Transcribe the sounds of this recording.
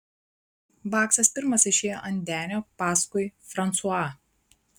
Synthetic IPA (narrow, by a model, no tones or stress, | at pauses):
bɑːksɐspʲɪɾmɐsɪʃʲeːjo̰ʔɐnʲd̪ʲæːnʲoːpɑːskʊɪfɾɐnt̪sʊɑː